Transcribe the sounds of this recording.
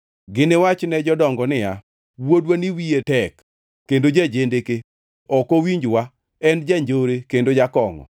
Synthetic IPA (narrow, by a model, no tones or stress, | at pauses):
ɡɪnɪwat͡ʃnɛd͡ʒɔdɔŋɡɔnɪja | wodwaniwietɛkː | endod͡ʒad͡ʒendeke | ɔkowiɲd͡ʒwa | ɛnd͡ʒaɲd͡ʒoɾekendod͡ʒakɔŋɔ̰